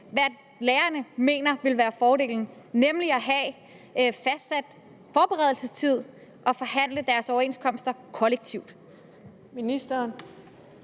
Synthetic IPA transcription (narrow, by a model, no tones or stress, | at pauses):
ʋæɐ̰d̥ | leːɐnəme̝̰ːnɐʋe̝lʋæːɐfɒːɾe̝̰ːln̩ | nemliɒɦɛ | fæsd̥sæd̥ | fɒːb̥eʁɛð̞ˠl̩səst͡sʰið̞̰ˠ | ʔɒ̽fɒ̽ɦæn̰ləd̥æɐsɒʊɐe̝nskʰɒ̽m̰sd̥ɐkʰɒ̽leɡ̥̚t͡sʰiʊd̥ | minisd̥ɐn